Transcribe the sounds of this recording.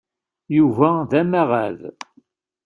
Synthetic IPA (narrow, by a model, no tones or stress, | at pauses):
juvæðæmæʁæð